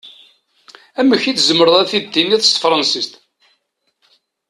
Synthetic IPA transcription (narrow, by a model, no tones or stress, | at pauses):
æmːəçiθzəmːəɾəðˤæθid̪ːinæθə̥st̪fɾˤɑnsist̪